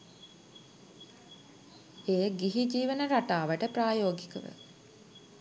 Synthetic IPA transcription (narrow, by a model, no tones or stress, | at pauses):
eːɡiɦid͡ʒiːʋənəɾaʈaːʋəʈəpraːjoːɡikəʋə̰